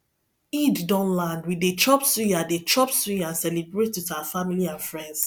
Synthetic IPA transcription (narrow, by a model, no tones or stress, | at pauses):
iddɔ̃nlãndwidet͡ʃɔpsũjadet͡ʃɔpsũasɛlibɹetitafamiliãnfɹɛ̃nds